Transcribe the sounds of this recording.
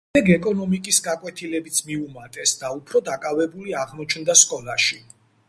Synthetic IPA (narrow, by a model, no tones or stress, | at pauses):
ɛɡɛkʼɔnɔmikʼisɡakʼwɛt̪ʰilɛbit̪sʰmiumat̪ʼɛsd̪aupʰɾɔd̪akʼavɛbuliaʁmɔt͡ʃʰnd̪askʼɔlaʃi